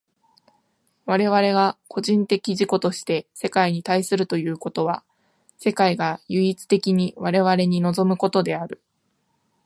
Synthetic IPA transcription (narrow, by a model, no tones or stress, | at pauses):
βaɾe̞β̞aɾe̞ɡakʰo̞ʑĩnt̪e̞kʲiʑiko̞t̪o̞ɕi̥t̪e̞se̞kaiɲ̟it̪aisɨɾɯ̟t̪o̞jɯ̟ːko̞t̪o̞βa | se̞kaiɡajɯ̟it͡sɨ̥t̪e̞kʲiɲ̟iβaɾe̞βaɾe̞ɲ̟ino̞zo̞mɯ̟ko̞t̪o̞d̪e̞aɾɯ̟